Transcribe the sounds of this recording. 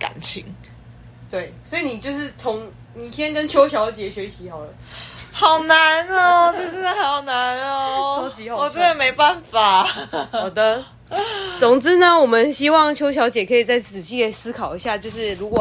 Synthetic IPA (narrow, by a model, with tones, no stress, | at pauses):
ka̰˨˩nt͡ɕʰḭ˧˦ŋ | t̪we˥˩ɪswɔ˧˥i˨ni˨˩t͡ɕjo˥˧ʊʂɻ̩˥˩t͡sʰo˧˦ŋ | ni˨˩t̪ʰjɛ˥˦nkə˦nt͡ɕʰjo˥ʊɕjɑ˧˥ʊt͡ɕjɛ˨˩˦ɕɥɛ˧˥ɕi˧˦xɑ˨˩ʊdə˦xɑ˨˩ʊna˨˦n˦ʈ͡ʂə˥ə˧˩˥nd̪ə˨ha˧˥ɪjɑ˨˩ʊna˨˦n˧wɔ˨˩t͡ɕɛ˥d̪ə˨˩me˧˥ɪpa˥˩nfa˨˩ɔ˨˩d̪ə˦ | t͡so˨˩ŋt͡sɹ̩˥nə˨wɔ˨˩mə˨˦nɕi˥wɑ˥˨˩ŋt͡ɕʰjo˥ʊɕjɑ˧˥ʊt͡ɕjɛ˨˩kʰɤ˧˥i˨˩t͡sa˥˩ɪt͡sɹ̩˨˩t͡ɕi˥ə˨˩ɪsɹ̩˥kʰɑ˨˩ʊi˧˦ɕja˥˧t͡ɕjo˥˧ʊʂɻ̩˥˩ɻu˧˥kwɔ˨˩